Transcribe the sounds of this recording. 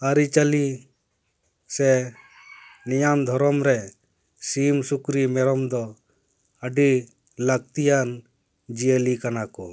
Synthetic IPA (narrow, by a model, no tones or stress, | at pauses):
aɾit͡ʃali | sɛ | nijamd̪ʱɔɾɔmɾɛ | simsukɾimɛɾɔmd̪ɔ | əɖi | lak̚t̪ijan | d͡ʒiəlikanakɔ